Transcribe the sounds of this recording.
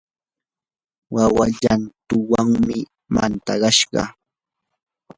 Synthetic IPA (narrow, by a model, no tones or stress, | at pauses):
wawaʎant̪ʊwaŋmɪ | ma̰nt̪ɑɢɑʃɢɑ̰